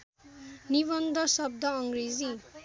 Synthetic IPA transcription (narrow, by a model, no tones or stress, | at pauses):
niβʌnd̪ʌsʌb̚d̪ʌʌŋɡɾed͡zi